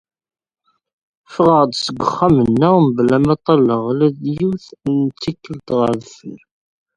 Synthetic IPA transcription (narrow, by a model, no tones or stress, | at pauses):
fʁəʁd̪səɡʷəχːæmənːəmblæmæt̪ˤːɑlːəʁlæðjuθnt͡sːikːəlt̪ʁəɾðfəl